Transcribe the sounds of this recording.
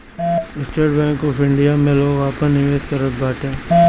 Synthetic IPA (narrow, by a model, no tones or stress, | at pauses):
ɪsʈəɾɖbɛ̃ːŋkɔːfɪ̃ɳɖijamẽloːɡʋaːpənɪʋeːskɐɾət̪̚baːʈẽː